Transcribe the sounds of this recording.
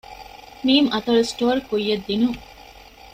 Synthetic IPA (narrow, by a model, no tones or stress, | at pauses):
miːmʔɐt̪ɐlusʈoːɾkujːɐd̪ːinuŋ